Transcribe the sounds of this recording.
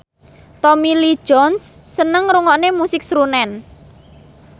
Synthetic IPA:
t̪ɔmili̥ʒ̥ɔnsːənəŋɾuŋɔʔnemusɪk̚sɾunɛn

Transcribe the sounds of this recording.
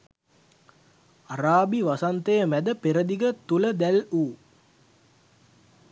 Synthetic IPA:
aɾaːbiʋasant̪əjəmæd̪əpeɾəd̪iɡət̪uləd̪æluː

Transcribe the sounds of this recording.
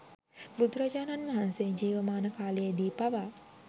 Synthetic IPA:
bud̪ɾəd͡ʒaːnanʋaɦanseɲd͡ʒiːʋəmaːnəkaːlijed̪iːpaʋa

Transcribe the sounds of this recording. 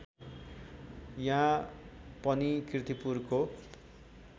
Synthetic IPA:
jã | pʌnikrit̪ipurko

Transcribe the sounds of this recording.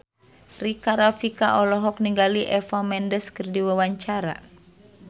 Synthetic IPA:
rikaɾafikaʔɔlɔɦɔk̚niŋɡaliʔɛfamɛndəskɨrdiwawaɲt͡ʃaɾa̰

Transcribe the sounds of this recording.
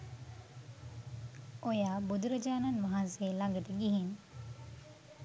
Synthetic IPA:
ojaːbud̪uɾɐd͡ʒaːnɐnʋaɦanseːlaŋɡəʈ̪əɡiɦin

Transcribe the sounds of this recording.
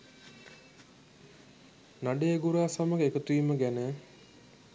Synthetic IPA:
naɖeɡuɾaːsaməkəekət̪uiməɡænə

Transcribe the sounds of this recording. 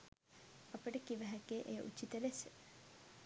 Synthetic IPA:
ɐpəʈəkiʋəɦækeʔejə̰ʔut͡ʃːit̪əɾesə

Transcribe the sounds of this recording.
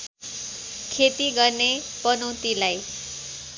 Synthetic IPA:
kʰet̪iɡʌrne | pʌnʌwt̪ilaj

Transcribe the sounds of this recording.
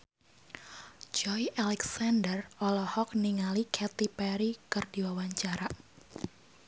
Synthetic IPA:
d͡ʒɔjalɛksandərɔlɔhɔk̚niŋalikʰɛt̪ipɛɾikɨrd̥iwawaɲt͡ʃaɾa

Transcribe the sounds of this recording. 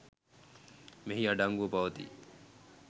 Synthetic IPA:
meɦiaɖaŋɡupɐʋɐt̪ḭː

